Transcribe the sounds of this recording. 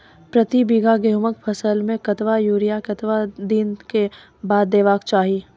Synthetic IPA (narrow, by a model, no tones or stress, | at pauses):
pɾɐt̪ibiɡaɡeːɦʊmək̚pʰɐsəlmẽkɐt̪ʋajuːɾijakɐt̪ʋad̪iːnke | baːd̪ːeːʋaːkt͡ʃaːɦi